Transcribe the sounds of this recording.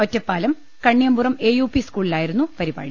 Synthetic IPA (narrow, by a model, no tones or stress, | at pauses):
otːɐpːaːlɐm | kɐɳːijɐmburɐme̞ːjuːpiskuːɭilaːjiɾun̪ːupɐɾiba̰ːɻi